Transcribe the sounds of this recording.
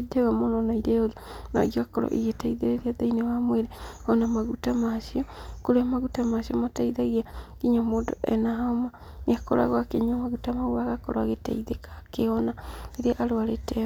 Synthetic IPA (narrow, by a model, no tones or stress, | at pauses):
deɣamonɔnɔiɾeoðona̰ɣiakɔɾɔ̰ʔḭɣetaiðeɾeɾiaðainewamweɾeɔnamaɣutamaʃiɔkoɾeamaɣutamaʃiɔmotaiðaɣiakiɲɔmoːndo̰ʔɛ̰naɦaoma | nakɔɾa̰ɣwakeɲɔmaɣutamaɣuaɣakɔɾoaɣeta̰iðekḁkeɔnaeɾeaʔaɾoaɾetɛ